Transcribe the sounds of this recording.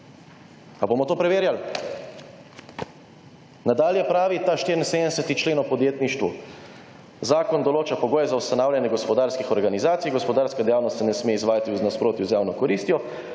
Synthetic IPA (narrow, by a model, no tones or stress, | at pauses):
abomɔt̪oːpɾɛʋeːɾjal | nad̪aːljɛpɾaːʋit̪aʃt̪iːɾinsed̪nɛsɛt̪it͡ʃleːnɔpɔd̪jeːt̪niʃt̪ʋu | zaːkɔnd̪ɔloːt͡ʃapɔɡoːjɛzawst̪anaːwljʲanjɛɡɔspɔd̪aːɾskixɔɾɡanizaːt̪sijɡɔspɔd̪aːɾskad̪ɛjaːwnɔst̪sɛnɛsmeːizʋaːjat̪iuznaspɾoːt̪juzjaːwnɔkɔɾiːst̪jɔ